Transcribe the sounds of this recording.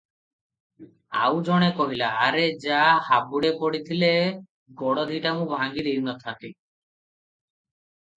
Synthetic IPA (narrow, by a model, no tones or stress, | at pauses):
a̰wd͡ʒɔɽ̃ekɔɦilaːɾed͡ʒahabuɽepɔɽit̪ʰile | ɡɔɽɔd̪ʱiʈamũbʱaŋɡid̪iɾinɔt̪ʰant̪i